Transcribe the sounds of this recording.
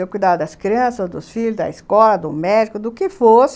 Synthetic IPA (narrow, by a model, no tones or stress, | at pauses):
ewkujd̪ad̪ʊd̪ɐskɾiɐ̃sɐzd̪ʊsfiʎʊzd̪ɐ̰iskɔlɐd̪ʊmɛd͡ʒikʊd̪ʊkɪfos